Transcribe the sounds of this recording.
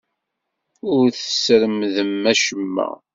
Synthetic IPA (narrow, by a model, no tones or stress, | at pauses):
ʊɾθə̥sɾəmðəmːæʃəmːæ̰